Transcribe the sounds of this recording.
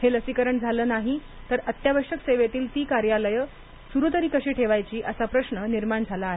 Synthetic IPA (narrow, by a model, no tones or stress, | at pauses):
heləsikəɾəɳd͡zʱaləːnaɦi | t̪əɾət̪jabəɾɕəkseʋet̪iːlt̪iːkaɾjaləjə | suɾut̪̬əɾiːkəɕiːʈʰeʋajt͡ɕiːʔəsapɾəɕɳəniɾmaɳd͡zʱalaːɦe